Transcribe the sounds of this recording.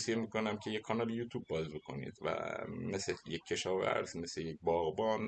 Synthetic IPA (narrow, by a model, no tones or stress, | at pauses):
sijemiko̞næmcʰe̞jekʰːɒnɒːlejuːt̪ʰuːbːɒːzbekʰo̞̰nḭːd̪̥væ̰meslejecʰːe̞ʃɒːvæ̰ɾz̥me̞slejec̚bɒːɣbɒːn